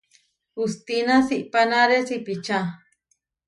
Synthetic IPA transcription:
ust̪inãsiʔpanaɾesipit͡ʃa

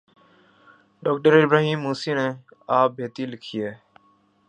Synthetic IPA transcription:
ɖoːk̚ʈəɾɪbɾaːɦiːmːuːsiːnẽː | aːbʱeːt̪iːlɪkʰɪjeː

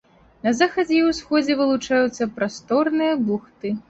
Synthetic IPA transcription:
nɐzaxɐd͡zʲɛwsxɔd͡zʲɛvɨlˠut͡ʂajut̪sːɐpɾast̪ɔrnɨjɐbuxt̪ɨ

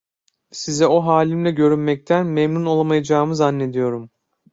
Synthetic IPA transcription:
sizɛo̞ɦaːlʲimlʲɛɟø̞ɾynmɛc̚t̪ʰænmemnuno̞lˠamajad͡ʒaːɯmɯzanːe̞d̪ijo̞ɾum

